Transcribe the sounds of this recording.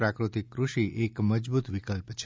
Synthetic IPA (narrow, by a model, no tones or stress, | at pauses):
ɾakɾut̪ikːɾuʃiʔekməd͡ʒbut̪ʋikəlpt͡ʃʰ